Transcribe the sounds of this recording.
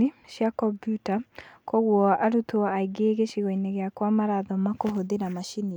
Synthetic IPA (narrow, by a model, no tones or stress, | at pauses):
ɪʃjakɔpjutakɔɣwɔʔaɾut̪oaiɡeːɡeʃiɣɔinɛɣeakwamaɾaðɔmakoɦodenamaʃini